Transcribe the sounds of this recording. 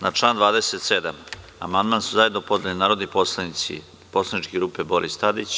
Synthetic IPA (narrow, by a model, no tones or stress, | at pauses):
nat͡ʂlˠaːnd̪vaːd̪eset̪sed̪am | amand̪maːnsuzajed̪nopo̞d̪lʲelinaːɾo̞d̪niposlˠanisḭ | po̞slˠanit͡ʃkeɡɾuːpebo̞ɾʔist̪ad̪it͡ɕ